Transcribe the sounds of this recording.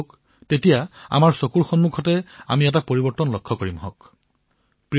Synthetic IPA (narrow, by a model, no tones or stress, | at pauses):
k | tetijaa̰maɹsokuɹxɔnmukʰɔtɛa̰miɛtapoɹibɔɹtɔnlɔkʰːɔkoɹimɦɔ̰k | pɹi